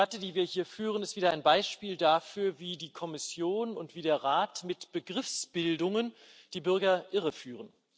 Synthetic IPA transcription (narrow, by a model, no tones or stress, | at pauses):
atədiːviːɐhiːɐfyːʁənɪstv̥iːdɐʔaɪnbaɪʃpiːldafyːɐviːdiːkʰɔmɪsjoːnʊntv̥iːdeːɐʁaːtmɪtb̥əɡʁɪfsb̥ɪldʊŋən | d̥iːbʏɐɡɐʔɪʁəfyːʁən